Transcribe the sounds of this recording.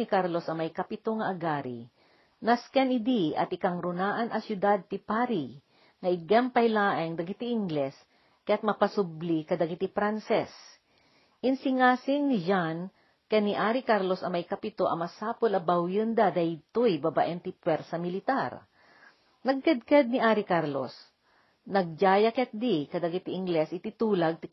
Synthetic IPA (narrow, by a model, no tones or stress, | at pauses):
nikaɾlosɐmɐjkɐpɪt̪oŋɐʔɐɡaːɾḭ | naskɛnɪd̪iʔɐ̰t̪ɪkaŋɾʊnaːʔɐnʔɐsjʊd̪ad̪̚t̪ɪpaɾi | ŋɐʔɪɡɛmpɐhjlaːʔɐŋd̪ɐɡit̪iɪŋɡlɛs | kɐjat̪̚mɐpɐsʊblikɐd̪ɐɡit̪ipɾansɛs | ʔɪnsɪŋaːsɪŋnɪd͡ʒan | kɛniʔaːɾikaɾlosɐmɐjkɐpɪt̪oʔɐ̰mɐsaːpolɐbɐwjɨnd̪ɐd̪ahɪt̪ojbaba̰ʔɛnt̪ipwɛɾsɐmɪlɪt̪aɾ | nɐɡ̚kɐd̪̚kad̪̚nɪʔaːɾikaɾlo̰s | nɐɡ̚d͡ʒaːjɐkɛɐt̪̚d̪ikɐd̪ɐɡit̪iʔɪŋɡlɛsʔɪt̪it̪uːlɐɡ̚t̪i